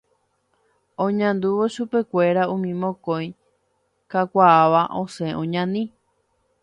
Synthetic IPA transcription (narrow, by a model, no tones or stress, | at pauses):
õɲãnd̪uʋo̞ʃupe̞kʷe̞ɾaũmĩmõkõj | kakʷaaʋaʔõsẽ̞ʔõɲãnĩ